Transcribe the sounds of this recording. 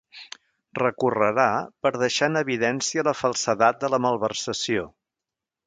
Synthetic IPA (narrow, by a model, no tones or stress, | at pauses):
rəkurəɾapəɾð̞əʃanəβiðɛnsiələfəlˠsəðat̪̚d̪ələməlˠβərsəsio